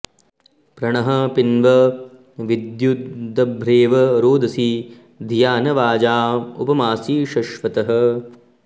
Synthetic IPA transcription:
pɾɐɳɐɦɐ̆pinʋɐ | ʋid̪jud̪ʱɐbʱɾeːʋɐɾoːd̪ɐsi | d̪ʱijaːnɐʋaːd͡ʒaːṵpɐmaːsiːʃɐʃʋɐt̪ɐɦɐ̆

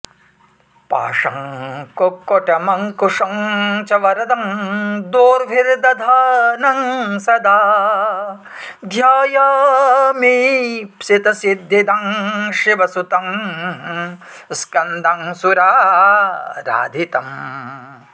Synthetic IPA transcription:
pa̰ːʂɐŋkokːɔʈɐmɐŋkuʂɐŋt͡ʃɐʋɐɾɐd̪ɐŋd̪oːɾʋʱiɾd̪ɐd̪ʱaːnɐŋsɐd̪aː | d̪ʱjaːjaːmipsit̪ɐsid̪ːid̪ɐŋʃiʋɐsut̪ɐŋ | skɐnd̪ʱɐŋsuɾaː | ɾa̰ːd̪ʱit̪ɐm

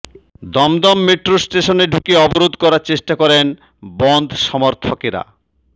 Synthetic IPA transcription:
d̪ɔmd̪ɔmːeʈɾosʈeʃoneɖʱukeɔboɾod̪kɔɾaɾt͡ɕeʃʈakɔɾen | bɔnd̪ʱʃɔmoɾt̪ʰokeɾa̰

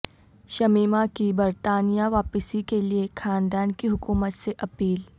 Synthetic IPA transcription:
ʃɐmiːmakibɐɾt̪aːnijaʋaːpəsikeliexʰaːnd̪aːnkiɦʊkuːmət̪seʔɐpiːl

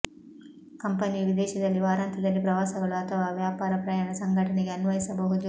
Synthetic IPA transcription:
kɐmpɐnilid̪ɛːʃɐd̪ɐlːiʋaːɾaːnt̪ʰɐd̪ɐlːipɾɐʋaːsɐɡɐɭuɐt̪ʰɐʋaːʋjaːpaːɾɐpɾɐjanɐsɐŋɡʱɐʈɐneɡeɐnʋɐɦisɐbɐɦud̪u

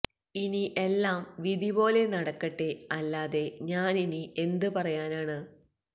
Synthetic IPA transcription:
iniʔe̞lːaːmʋid̪ibo̞ːle̞nɐɽɐkːɐʈːe̞ɐlːaːðe̞ɲaːninie̞nd̪ɨpɐrɐjaːnaːɳɨ

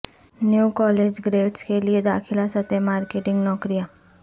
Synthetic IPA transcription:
njuːkɔːleːd͡ʒɡɾeːɖskelied̪aːxʰɪlasɐt̪emaːɾkeːʈɪ̃ŋɡnɔːkɾijaː

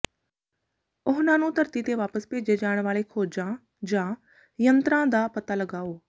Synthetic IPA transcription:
ʊɦnãːnũːt̪əɾt̪it̪eʋaːpəspeːd͡ʒed͡ʒaːəɽ̃ʋaːlekʰoːd͡ʒã | d͡ʒãː | jənt̪ɾãːd̪aːpət̪aːləɡaːoː

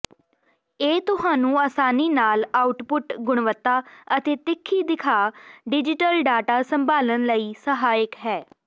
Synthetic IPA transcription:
eːt̪ʊhaːnũːaːsaːniːnaːlaːʊʈpʊʈɡʊɽ̃ʋət̪ːaːət̪eːt̪ɪkʰːiːd̪ɪkʰaːɖɪd͡ʒɪʈəlɖaːʈaːsəmbʱaːlənləiːsəɦaːəkɦɛː

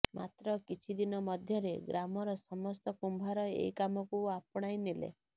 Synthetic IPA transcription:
mʔat̪ɾɔkit͡ʃʰid̪inɔmɔd̪ʱjɔɾeɡɾamɔɾɔsɔmɔst̪ɔkumbʱaɾɔḛikamɔkuapɔɽ̃ajnilḛ

